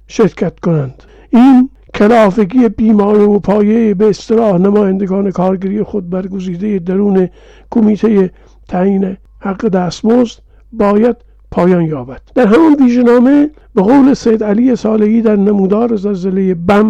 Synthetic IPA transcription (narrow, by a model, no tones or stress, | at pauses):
ʃeɾkʰæt̪konænd̪̥ | ʔiːn | kʰelɒːfeɡijebiːmɒːɾejopʰɒːjebeːst̪elɒːhnæmɒːjænd̪eɡɒːne̞kʰɒːɾɡæɾiːjexod̪̚bæɾɡoziːd̪ejed̪æɾuːne | kʰomiːt̪ʰeje | t̪ʰæiːne | hæɡːed̪æːst̪mozd̪ | bɒːjæd̪̥ | pʰɒːjɒːnjɒːbæd̪̥d̪æɾɦæmɒnviːʒenɒːme | beɣowle̞sejd̪æliːjesɒːlehiːd̪æɾnæmuːd̪ɒːɾezælzelejebæm